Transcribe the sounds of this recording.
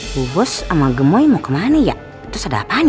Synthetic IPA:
ubɔsamaɡəmojmokəmanəja̰ʔ | t̪ʊsada̰paɲ

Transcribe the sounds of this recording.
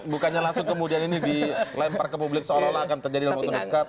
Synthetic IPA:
bukaɲalaŋsʊŋkəmudianinidilamparkəp̬ublɪksəolalaːkant̪ərd͡ʒadidalamɔt̪ɔdəkap̚

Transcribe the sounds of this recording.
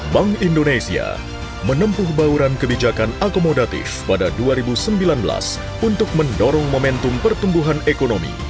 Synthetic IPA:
baŋindonesia̰ | mənəmpʊhbauɾankəbid͡ʒakanakomodat̪ḭfpadaduaɾibusəmbilanbəla̰s | unt̪ʊk̚məndoɾɔŋmomɛnt̪umpərt̪umbuɦanekonomḭ

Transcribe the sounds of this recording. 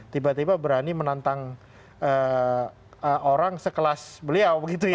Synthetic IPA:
t̪ibat̪ibabəɾanimənant̪aŋ | ə | əoɾaŋsəkəlasbəliawbəɡit̪uj

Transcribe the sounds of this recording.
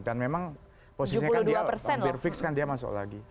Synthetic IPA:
danmemaŋ | posisuiɲaulkundiuaapərsɛnlɪrfɪkskandiamasʊ̰ʔla̰ɡi

